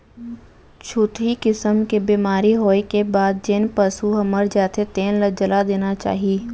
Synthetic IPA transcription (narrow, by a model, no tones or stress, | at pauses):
t͡ʃʰʊt̪ɦikɪsəmkebiːmaːɾiɦoːekebaːd̪̚d͡ʒeːnpəsuɦɐməɾd͡ʒaːt̪et̪eːnlɐd͡ʒəlad̪eːnat͡ʃa̰ːɦiiː